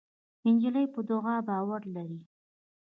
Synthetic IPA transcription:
ɪnd͡ʒələjpəd̪ʊɣabɑwaɾlaɾi

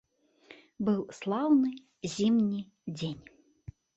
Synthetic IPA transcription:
bɨwslˠawnɨ | zʲimnʲi | d͡zʲenʲ

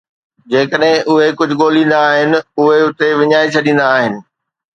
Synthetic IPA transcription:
d͡ʑeːkəɗɦɪ̃ʔʊɦekʊd͡ʑʱʊ̆ɠoːlĩːn̆d̪aːɦɪnɪ̆ʊɦeʊt̪eʋɪɲaːit͡ɕʰɐɗĩːn̆d̪aːɦɪnɪ̆

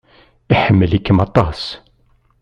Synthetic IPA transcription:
iħəmːəlikːəmɑt̪ˤːɑs

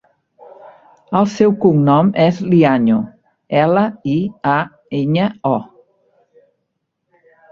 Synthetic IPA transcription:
əlˠsɛwkuŋnɔmɛzliaɲu | ɛləia | eɲəɔ

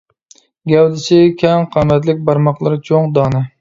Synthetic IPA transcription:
ɡʲɛwd̪ɪsɪkʲʰɛŋqʰɑmɛt̪lɪk̚ʲbɑɾmɑχlˠɨɾɨt͡ʃʰoŋd̪ɑːnɨ

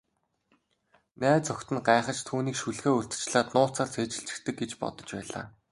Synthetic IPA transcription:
næːt͡sɔkʲt̪ɘ̆nɢaːχə̆t͡ɕt̪ʰuːniːkʃuɮxeːurt͡s̪̆t͡ɕɮaːt̪nʊːt͡saːrt͡sʰeːt͡ɕɪ̆ɬt͡ɕɪ̥̆kt̪ɘ̆k̚ɡet͡ɕpɔ̰t̪ɞ̆t͡ɕpæ̰ːɮa̰ː

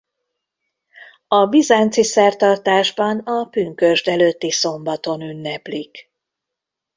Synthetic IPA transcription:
ɒbizaːnt̪sisɛrt̪ɒrt̪aːʒbɒnɒpyŋkø̞ʒd̪ɛløːt̪ːiso̞mbɒt̪o̞nynːɛplik

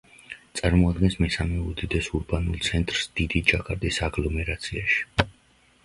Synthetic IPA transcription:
t̪sʼaɾmɔad̪̚ɡɛnsmɛsamɛud̪id̪ɛsuɾbanulˠt̪sʰɛnt̪ʼɾsd̪̥id̪it͡ʃʼakʼaɾd̪isaɡlˠɔmɛɾat̪sʰiaʃi̥

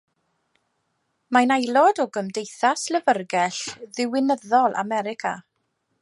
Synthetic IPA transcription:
manajlˠɔdɔɡəmdejθasləvərɡɛɬðɪwɪnəðɔlˠʔa̰mɛɾɪkʰa̰

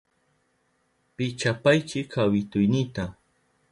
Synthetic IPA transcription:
pɪt͡ʃapajt͡ʃɪkʰawɪt̪ʊjnɪt̪a

